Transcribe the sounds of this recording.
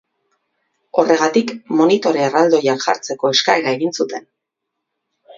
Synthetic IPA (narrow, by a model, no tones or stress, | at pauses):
o̞rʔe̞ɣ̞at̪ikmo̞nit̪o̞ɾe̞ːrald̪o̞jakʝa̰ɾt͡se̞ko̞e̞skae̞ɾae̞ɣinsut̪e̞n